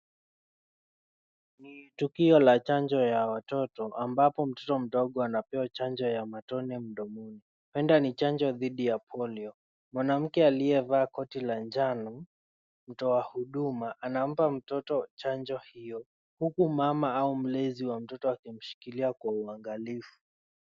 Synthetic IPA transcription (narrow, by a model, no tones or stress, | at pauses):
nitukiɔlat͡ʃand͡ʒɔjawatɔtɔʔambapɔm̩tɔtɔm̩ɗɔɠɔanapɛwat͡ʃand͡ʒɔjamatɔnɛm̩ɗɔmɔni | pɛndanit͡ʃand͡ʒɔðiɗijapʰɔliɔ | mwanam̩kɛaliɛvaːkɔtiland͡ʒanɔ | m̩tɔwahuɗumaʔanam̩pam̩tɔtɔt͡ʃand͡ʒɔhijɔ | hukumamaaum̩lɛziwam̩tɔtɔakim̩ʃi̥kiliakwauaŋɡalifu̥